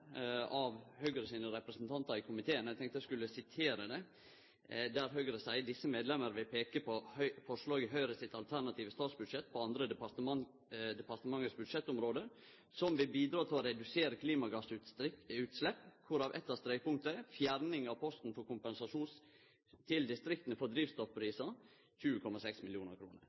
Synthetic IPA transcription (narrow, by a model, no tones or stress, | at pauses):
ɑʋhœɡɾəsiːnəɾɛpɾɛsnt̪ʰɑnt̪ɑɾɪkʰʊmɪt̪ʰeːənæɪɡt̪ʰɛŋkt̪əjæskʉləsɪt̪ʰeːɾəd̪ɛ | d̪æɾɦœɡɾəsæɪd̪ɪsːəmeːd̪lɛməɾʋɪlpʰeːkəpʰɔhœʏfɔʂɭɑːɡəɦœʏɾəsɪt̪ɑlt̪ʰæɾɳɑt̪ʰiːʋəst̪ɑːt̪sbʉd̪ʂɛt̪ːpʰɔɑnd̪ɾəpɑ | d̪ɛpɑɾt̪əmɑŋːət̪sbʉd̪ʂɛt̪ːʊmɾoːd̪ə | sɔmʋɪlbiːd̪ɾɑːt̪ʰɪlɔɾɛd̪ʉseːɾəkʰliːmɑɡɑsʉʉːt̪slɛpːkʰʊɾɑʋʔɛ̰t̪ːɑst̪ɾɛɪpʰʊŋkt̪əɛfjæɾnɪŋɑʋpʰɔst̪n̩fɔɾkʰʊmpɛnsɑʂuːns | t̪ʰɪld̪ɪst̪ɾɪkt̪ənəfɔɾd̪ɾiːʋst̪ɔfpʰɾiːsɑ | çʉːəkʰɔmɑsɛksmɪljuːnəɾkʰɾṵːnə̰ɾ